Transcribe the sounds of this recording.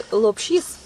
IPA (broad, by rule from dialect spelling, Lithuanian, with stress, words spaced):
lˠoːpʲˈʃʲiːs